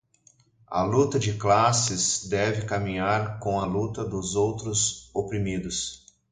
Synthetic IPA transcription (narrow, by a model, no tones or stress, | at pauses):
ɐ̰lut̪ɐd͡ʒɪklasɪzd̪ɛvɪkamĩɲaɾkõw̃ɐlut̪ɐd̪ʊzowt̪ɾʊzopɾimid̪ʊs